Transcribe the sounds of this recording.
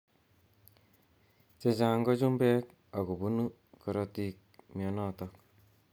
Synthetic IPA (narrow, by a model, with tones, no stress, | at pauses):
t͡ʃe˨t͡ʃa˨ŋɡɔ˦t͡ʃu˦mbɛ˦k | a˨ku˨bu˦nu˦ | kɔ˨ɾɔ˨ti˨k̚mi˨ɔ˨nɔ˦tɔk̚